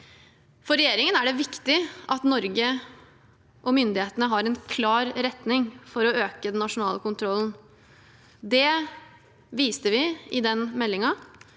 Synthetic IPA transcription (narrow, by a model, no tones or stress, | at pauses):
fɔɾɛjeːɾɪŋənæɖɛʋɪkt̪ɪʔɑt̪nɔɾɡə | ʔɔmʏnd̪ɪheːt̪ənəɦɑɾɛnkʰlɑːɾɾɛt̪nɪŋfɔɾɔøːkəd̪ɛnːɑʂʊnɑːləkʊnt̪ʰɾɔlən̩ | d̪ɛ | ʋiːst̪əʋɪɪd̪ɛnmɛlːɪŋɑ